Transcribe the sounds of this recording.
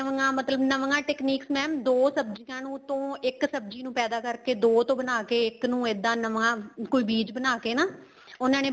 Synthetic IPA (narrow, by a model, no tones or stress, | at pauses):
əʋəŋãːmət̪ləbnəʋŋãːʈɛːkniːksmɛ̃ːmd̪oːsəbd͡ʒɪkãːnũːt̪õːɪksəbd͡ʒiːnũːpɛːd̪aːkəɾkeːd̪oːt̪õːbənaːkeːɪknũːɪd̪ːãːnəʋãːkoiːbiːd͡ʒbənaːkeːnaː | ʊnãːneː